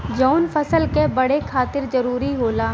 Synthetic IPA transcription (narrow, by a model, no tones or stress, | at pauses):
d͡ʒɔːnfɐsəlkebɐɽekʰaːt̪ɪɾzɐɾuːɾiɦoːlaː